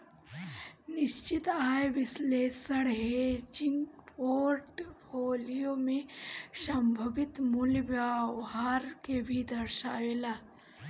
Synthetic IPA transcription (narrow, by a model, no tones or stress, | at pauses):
niɕt͡ɕit̪ajʋislesəɽɦed͡ʑiŋɡpoɾʈpʰolijomeʃəmbʱəʋit̪mulʋjaʋɦaɾkebʱid̪əɾʃaːʋela